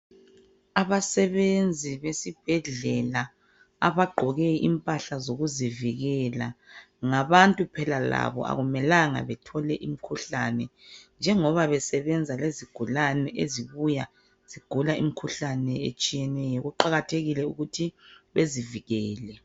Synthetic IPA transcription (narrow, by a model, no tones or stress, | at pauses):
aβasɛβend͡zʱiβesib̥ʱɛɮɛla | aβaɡ͡ǃʱɔɣɛimpʼaɬazoɣuziviɣɛla | ŋaβantʼupʰɛlala̰βɔ̰a̰ɣumɛlaŋa̰βɛtʰɔlɛʔimikʰuɬanɛnd͡ʒʱɛŋɔβaβɛsɛβɛnd͡zʱaleziɡ̥ʱulanɛʔeziβuja | z̥iɡ̥ʱulaimikʰuɬanɛḛt͡ʃʼijɛnɛjɔɣuǃaɣatʰeɣilɛuɣutʰiβeziviɣɛːlɛ